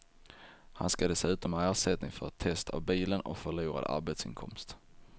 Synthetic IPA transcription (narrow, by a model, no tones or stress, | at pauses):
ha̰nskad̪ɛsʉ̟ːt̪ɔmɛæːɾʂɛt̪̚nɪŋfœɾt̪ʰːɛst̪ʰa̰vbiːlənɔ̰kfœɭuːɾa̰d̪ə̰a̰ɾbet̪sɪ̰nkʰɔ̰mst̪